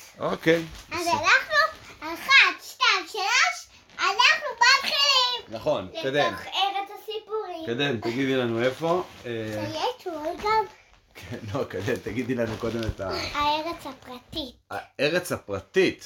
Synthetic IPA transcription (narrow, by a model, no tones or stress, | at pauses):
okejazanaχnuaχad̪ʃtajmʃelaʃ | anaχnubatχeimnaχo̞nkad̪imeʁet͡sasipuʁikad̪emt̪aɡid̪ilanuefo̞ejet̪uolɡam | kʰenlokad̪emt̪aɡid̪ilanuko̞d̪emet̪aaeʁet͡sapʁat̪ia̰eʁet͡shapʁat̪it̪